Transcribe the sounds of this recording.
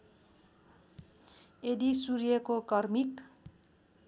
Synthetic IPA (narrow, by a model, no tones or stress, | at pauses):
ed̪isuɾjʌkokʌrmik